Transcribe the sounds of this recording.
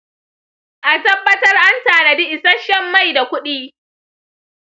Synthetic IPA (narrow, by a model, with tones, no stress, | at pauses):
ʔa˨tɐ˦bːɐ˦tɐ˦rʔa˦ntaː˨na˨di˦ʔɪ˨sɐ˦ʃɛ˦mːa˦˨jda˨kʷʊ˦ɗiː˦